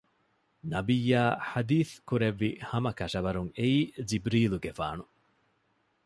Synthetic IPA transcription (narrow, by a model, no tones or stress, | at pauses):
nɐbijːaːħad̪iːθkuɾeʋːihɐmɐkɐʃɐʋɐɾuŋeiːd͡ʒibɾiːluɡefa̰ːnu